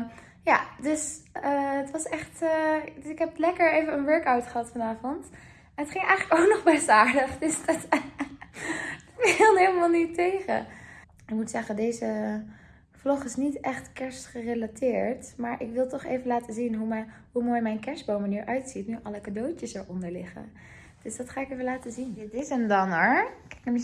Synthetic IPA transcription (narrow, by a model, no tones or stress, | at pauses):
jadɵsəətʋɑsɛχtəɪkɦɛplɛkəɹejvənənʋɜɹkawtχəɦɑtfɑnaːvɔnt | ɛnətχɪŋɛjχələkowknɔχbɛsaːɹdəχdəsdt | fɪlˠnɦejləmaːlˠnitejχə̰ | ɪkmutsɛχədejzə | flɔχɪsnitɛχtkɛɹsχərelatɪːɹtmaːɹʔɪkʋɪlˠtɔχḛjvənlaːtəzinɦu | ɦumoːjmɛjnkɛɹsbowmaniːɹʔœɥtsitnyʔɑləkadowtəsəɹʔɔndəɹlɪχə̰ | d̥øsdɑtχaːɪkejvəlaːtəzindɪtɪsəndɑnəɹkɛkəm